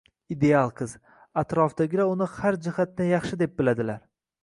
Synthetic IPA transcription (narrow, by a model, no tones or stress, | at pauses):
id̪e̞alˠqʰɨz̥ | at̪ɾɒfd̪aɡʲɪɾaʊnɪhaɾd͡ʒɪhat̪̚ːanjɑχʃɪd̪e̞p̚bɪlad̪ɪlaɾ